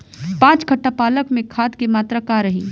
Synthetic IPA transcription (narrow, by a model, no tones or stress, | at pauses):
pãːt͡ʃkʰɐʈːapaːləkmẽkʰaːd̪kemaːt̪ɾakaɾɐɦiː